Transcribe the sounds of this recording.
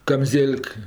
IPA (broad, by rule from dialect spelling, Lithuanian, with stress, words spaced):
kɐmʲˈzʲeːlʲk